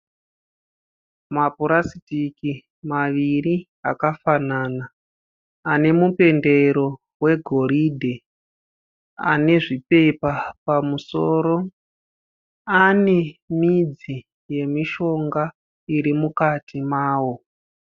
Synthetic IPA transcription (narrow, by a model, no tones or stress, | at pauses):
mapuɾasitiki | maʋiɾi | akafanaːnaː | ne̞mupe̞nde̞ɾo̞ | we̞ɡʱo̞ɾidʱe | a̰ne̞ʐipe̞papamuso̞ːɾo̞ | anemid͡zi | je̞miʃo̞ŋɡa | iɾimukatimaːwo̞